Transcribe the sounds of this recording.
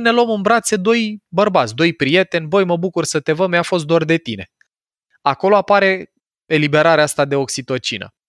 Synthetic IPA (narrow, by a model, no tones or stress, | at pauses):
ne̞loomɨnbɾat̪se̞d̪o̞jbərbat̪sʲd̪o̞jpɾije̞t̪e̞nʲbo̞jməbukursət̪e̞vəmjafo̞s̬t̪̚d̪oord̪e̞t̪ine̞ | ako̞lo̞apaɾe̞ | elibe̞ɾaɾeast̪ad̪e̞o̞ksit̪o̞t͡ʃinə̰